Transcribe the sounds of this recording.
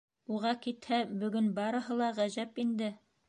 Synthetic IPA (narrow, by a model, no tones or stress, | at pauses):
uʁɑkit̪hæbɵ̆ɡɵnbɑɾɤ̆ɦɤ̆lˠɑʁæʑæpind̪ɘ